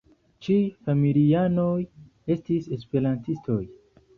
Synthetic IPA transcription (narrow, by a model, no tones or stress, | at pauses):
t͡ʃijfamiliano̞j | e̞stise̞spe̞ɾantistʰo̞j